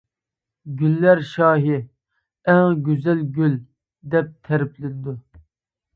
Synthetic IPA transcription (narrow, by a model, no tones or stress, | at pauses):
ɡʲylːæɾʃɑːɦɪ | ɛŋɡʲyzɛlɡʲyl | d̪ɛp̚t̪ʰɛɾɪpʰlɪnɪd̪u